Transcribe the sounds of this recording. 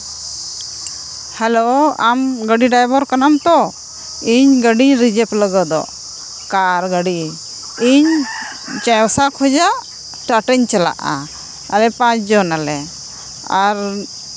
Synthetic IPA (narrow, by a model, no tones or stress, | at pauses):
hɛloamɡəɖiɖajbɔɾkanamt̪ɔ | iɲɡəɖiɲɾid͡ʒɛpləɡɔd̪ɔ̰ | kaɾɡəɖi | iɲ | t͡ʃajɔsakʰɔd͡ʒaʔ | ʈaʈɛɲt͡ʃala̰ʔa̰ | a̰ɾɛpãt͡ʃd͡ʒɔnalɛ | aɾ